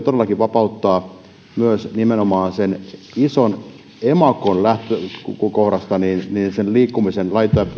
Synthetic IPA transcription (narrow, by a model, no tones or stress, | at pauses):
t̪oɾelːˑɑkiʋɑpɑut̪ːɑː | myøsnimenomɑːnsen | ison | emɑkonlæht̪økohɾɑst̪ɑninninsenliːkːumisenlɑit̪ːˑojɑ